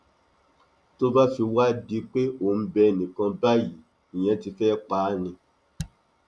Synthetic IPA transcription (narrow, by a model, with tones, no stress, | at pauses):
to˦ba˦fi˧wa˦di˨˦k͡pe˦o˦˨n̩˦bɛ˧˨nĩ˨kã˧ba˦ji˨˦ | ĩ˨j̃ɛ̃˧ti˧fɛː˦k͡paː˨˦nĩ˧